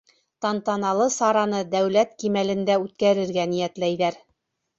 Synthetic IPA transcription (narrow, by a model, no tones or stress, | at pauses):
t̪ɑnt̪ɑnɑlˠɤsɑɾɑnɤd̪æwlæt̪kimælɘ̆nd̪æʉt̪̚kæɾɘ̆ɾɡænijæt̪læjðæɾ